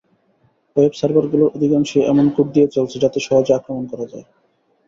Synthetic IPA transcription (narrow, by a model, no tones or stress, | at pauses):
websaɾbaɾɡuloʔod̪ʱikaŋʃiʔɛmonkup̚d̪ijet͡ɕolt͡ɕʰed͡ʑat̪eʃɔɦod͡ʑakɾomonkɔɾad͡ʑae